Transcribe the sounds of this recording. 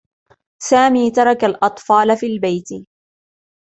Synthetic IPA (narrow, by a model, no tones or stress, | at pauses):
saːmiːt̪ɑɾˤɑkalʔɑt̪ˤfɑːlafiːlbajt̪ɪ